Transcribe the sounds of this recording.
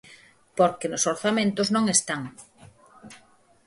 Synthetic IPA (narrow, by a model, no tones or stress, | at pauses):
poɾkenʊsoɾθamẽnt̪ʊznõŋest̪aŋ